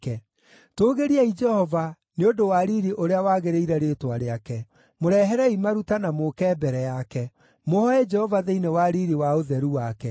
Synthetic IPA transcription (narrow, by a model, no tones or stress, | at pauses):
kɛ | toːɣeɾiaid͡ʒɛhɔva | neodowaɾiɾiʔoɾeawaːɣeɾeiɾɛɾetwaɾeakɛ | moɾɛɦɛɾɛimaɾutanamokɛbɛɾɛjakɛ | mohɔɛd͡ʒɛhɔvaðeinewaɾiɾiwaoðɛɾuwakɛ